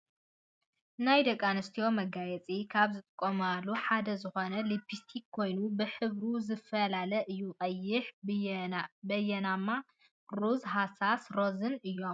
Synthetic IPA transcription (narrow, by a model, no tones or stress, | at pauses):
najd̪ɐkʼːanɨst̪ʰio̞mɐɡajɛt͡sʼikʰaβzɨt̪ʼɨkʼːomalːuħad̪ɐzɨxo̞nɐlibist̪ʰikkʰːo̞jnubɨħɨβɾuzɨfɐlalɐʔɨjːuχʼɐjːɪħ | bɐjɛnamːa | ɾuzɦasasɾo̞zɨnɨjːo̞m